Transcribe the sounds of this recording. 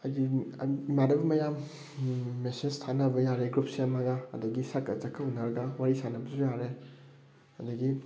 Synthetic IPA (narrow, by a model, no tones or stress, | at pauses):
ɐdimadɐbɐmɐjamː | esenstʰanɐbɐjaɾeɡɾupsiɐmɐɡɐ̰ːdɐɡisɐkːɐzɐkʰːɐunɐɾɐɡɐwaɾisanɐbɐsujaɾe | ɐdɐɡi